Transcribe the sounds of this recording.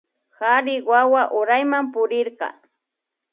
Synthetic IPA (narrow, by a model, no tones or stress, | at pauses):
xaɾɪwawaʔʊɾajmampʊɾɪɾqɑ̰